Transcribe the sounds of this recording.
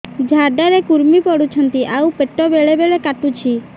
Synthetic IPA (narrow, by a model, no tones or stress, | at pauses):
d͡ʒʱaɖaɾekuɾmipɔɽut͡ʃʰɔnt̪iʔaupeʈɔbeɭebeɭekaʈut͡ʃʰi